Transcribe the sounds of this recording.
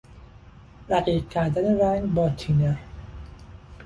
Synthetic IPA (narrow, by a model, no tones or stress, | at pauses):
ɾæɢiːq̚cʲʰæɾd̪æneɾæŋɡbɒːt̪ʰiːnæɾ